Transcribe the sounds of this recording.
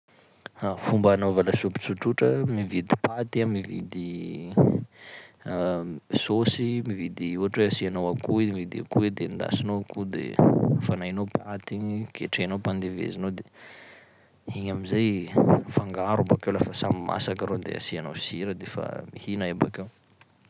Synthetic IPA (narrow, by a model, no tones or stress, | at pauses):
afumbanovaləsupi̥t͡suʈ͡ʂuʈ͡ʂəmivid̪i̥pat̪iamivid̪i | sosimivid̪iuɦaʈ͡ʂweasianowakuemivid̪ia̰kued̪end̪a̰sinoakud̪ḛfanajnopat̪ikʰeʈ͡ʂenowpand̪evḛzinod̪e | iɲamizajfaŋɡaɾubakewlafəsamimʔa̰sakaɾod̪ḛa̰sianowsiɾəd̪efa̰mihinaeba̰kew